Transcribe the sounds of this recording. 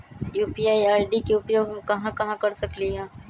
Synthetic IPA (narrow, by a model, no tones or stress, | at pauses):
juːpiaːjaːɾɖikeʊpjoːɡmẽkɐɦãkɐɦãkɐɾsɐkliɦɛ̃ː